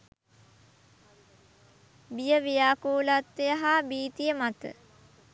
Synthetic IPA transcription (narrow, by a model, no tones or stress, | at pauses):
bijəʋijaːkoːlat̪ʋejəɦaːbiːt̪ijəmat̪ə̰